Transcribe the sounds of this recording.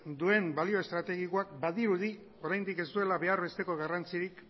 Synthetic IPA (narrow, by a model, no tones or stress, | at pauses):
d̪ue̞mbalio̞e̞st̪ɾat̪e̞ɣ̞ikoakbaðiɾuði | o̞ɾajnd̪ike̞zd̪ue̞laβe̞aɾβe̞st̪e̞ko̞ɣarant͡siɾik